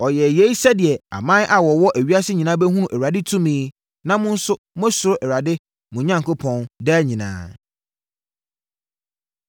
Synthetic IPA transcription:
ɔ˨jɛ˨je˦i˦sɛ˦dɪ˨ɛ˨a̰˨mã˦n˦ʔa˨wɔ˨wɔ˦ʔæ˨ɥi˦a˦sɪ˦ɲĩ˨nã˦bɛ˦ɦũ˦ʔæ˨ɾa˨dɪ˦tʰũ˦mĩ˦ | nã˦mʊ̃˦n̩˦sʊ˦ | m˦ɛ̃˦sʊ˨ɾʊ˦ʔɛ˨ɾa˨dɪ˦ | mʊ̃˨˦ɲã˦ŋ˨kʰʊ˦pʰɔ̃˨ndɛ˦ɲĩ˨nã̰ː˦

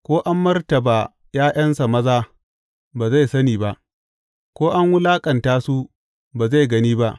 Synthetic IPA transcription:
kʷoː˦ʔa˦mːɐ˦rtɐ˨baː˨ | jaː˦j̰ɐ˦nsa˨mɐ˦zaː˦ | baː˨za˦˨sɐ˦niː˨ba˦ʔ | kʷoː˦ʔa˦ŋwʊ˦laː˦kʼɐ˨ntaː˦su˦ | baː˨za˦˨jɡɐ˦niː˦ba˦ʔ

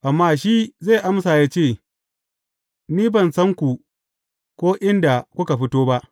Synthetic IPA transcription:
ʔa˨mːaː˦ʃiː˦zaː˦˨ʔa˦msaː˨jaː˦t͡ʃeː˦˨ | niː˦bɐ˨nsɐ˦ŋkʷu˨ | kʷoː˦ʔɪ˦nda˨kʷʊ˦ka˨ɸɪ˦toː˦ba˦ʔ

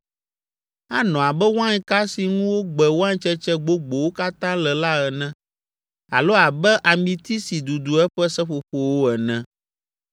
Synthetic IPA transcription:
a˦nɔ̃˨a˨bɛ˦wã˦ɲ˦ka˦si˨ŋũ˦wo˦ɡ͡bɛ˨wo˦ã˦ɲ˦t͡ʃɛ˦t͡ʃɛ˦ɡ͡bo˦ɡ͡bo˨wo˦ka˦t̪ã˦lɛ˨la˦ɛ˨nɛ̃˦ | a̰˨lo˦a˨bɛ˦ʔa˨mĩ˨t̪i˦si˨d̪u˨d̪u˨ɛ˦ɸɛ˦sɛ˦ɸo˨ɸo˨wo˦ɛ˨nɛ̃˦

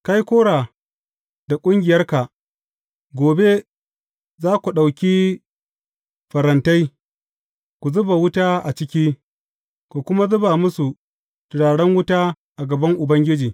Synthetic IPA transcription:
ka˦jkʷoː˦ɽaː˨ | d̥a˨kʷʼʊ˦ŋɡʲɪ˨jɐ˦rka˨ | ɡʷoː˨be˦ | zaː˦kʷu˨ɗa˨wkʲiː˦ | ɸɐ˨ɾɐ˨nta˦j | kʷu˨zʊ˦ba˨wʊ˦taː˦ʔa˨t͡ʃɪ˦kʲiː˦ | kʷu˨kʷʊ˦ma˦zʊ˦ba˨mʊ˦su˨ | tʊ˨ɽaː˨ɽɐ˦ŋwʊ˦taː˦ | ʔa˨ɡɐ˨bɐ˦ŋʔʊ˨bɐ˦ŋɡʲɪ˦d͡ʒiː˨

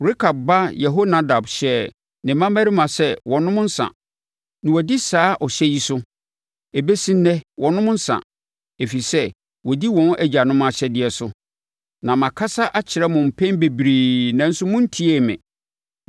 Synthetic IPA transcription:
ɾe˦kʰa˨b̚ba˦jɛ˨ɦo˦nã˦da˨bɕɛ˦ | nɪ̃˨mã˦mæ˦ɾi˦mã˨sɛ˦wɔ̃˨nʊ̃˦mʊ̃˦n̩˦sã̰˨ | nɪ̃˨wɔ˨di˦saː˨˦ʔɔ˨ɕɛ˦ji˦sʊ˦ | e˨be˦sĩ˦n̩˦nɛ̃˦wʔɔ̃˨nʊ̃˦mʊ̃˦n̩˦sã̰˨ | e˨fi˨sɛ˦ | wɔ˨di˦wɔ̃˨˦n˦ʔæ˦d͡ʑa˨nʊ̃˦m˦a˨ɕɛ˦dɪ˨ɛ˨sʊ˦ | nã˨mã˨kʰa˦sa˦ʔa˦t͡ɕʰɪ˨ɾɛ˦mʊ̃˨m̩˨pʰɛ̃˦nbe˨bɾiː˨nã˨n̩˦sʊ˦mʊ̃˦n̩˦tʰi˦e˦˨mɪ̰̃˨

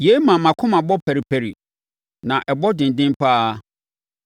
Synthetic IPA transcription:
je˨˦mã˨mã˨kʰʊ̃˦mã˨bɔ˦pʰæ˨ɾi˨pʰæ˨ɾi˨ | nã˨ʔɛ˨bɔ˦dɪ̃˨n˨dɪ̃˦mpʰa˦

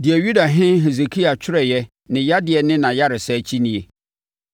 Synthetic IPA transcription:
dɪ˨ɛ˨ɥu˦da˨ɦɪ̃˦ɦe˨ze˨kʰi˦a˨t͡ɕᶣʰɪ˦ɾɛ˨jɛ˦ | nɪ̃˨ja˦dɪ˨ɛ˨nɪ̃˦nã˨ja˦ɾɪ˨sɛ˦˨t͡ɕʰi˦nĩ˦e˨

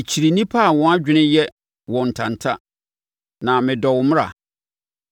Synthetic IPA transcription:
ɪ˨t͡ɕʰi˨ɾi˨nĩ˦pʰa˦a˨wɔ̃˨˦a˦d͡ʑᶣɪ˦nɪ̃˦jɛ˦ | wɔ̃˨n̩˨tʰã˨n˨tʰa˦ | nã˨mɪ̃˨dɔ˨wʊ˨m̃˦ɾa̰˨

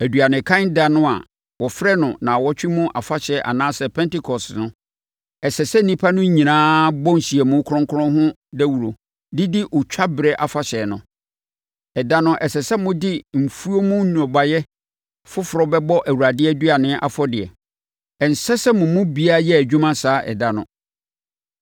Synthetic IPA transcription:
æ˨dɥa˨nɪ̃˨kʰã˦n˦da˨nʊ̃˦a̰˨ | wɔ˨fɾɛ˦nʊ̃˨nã˨wɔ˦t͡ɕᶣɪ˦mũ˦ʔa˨fa˦ɕɛ˨˦ʔa̰˨nãː˦sɛ˨pʰɛ̃˦ntɪ˦kʰɔ˨snʊ̃˦ | ɛ˨sɛ˨sɛ˦n̩˦nĩ˦pʰa˦nʊ̃˦ɲĩ˨nãː˦bɔ˦n̩˨ɕi˨ɛ˨mʊ̃˦kʰʊ˦ɾʊ̃˦ŋkʰʊ˦ɾʊ̃˦ɦʊ̃˦ | dɛ˦wu˨ɾo˨ | dɪ˦dɪ˦ʔɔ˨t͡ɕᶣʰa˦bɪ˨ɾɛ˨ʔa˨fa˨ɕɛː˨nʊ̰̃˨ | ɛ˨da˦nʊ̃˦ʔɛ˨sɛ˨sɛ˦mʊ̃˦dɪ˦m̩˨fu˦o˦mũ˦nũ˨ɔ˨ba˨jɛ˦ | fʊ˦fɾɔ˨bɛ˦bɔ˦ʔæ˨wu˨ɾa˨dɪ˦ɛ˦dɥa˨nɪ̃˦ʔa̰˦˨fɔ˦dɪ˨ɛ̰˨ | ɛ˨n̩˨sɛ˦sɛ˦mʊ̃˨mʊ̃˦bi˨˦a˦jɛ˦æ˨d͡ʑᶣũ˦mã˦saː˨˦ʔɛ̰˨da˦nʊ̃˦

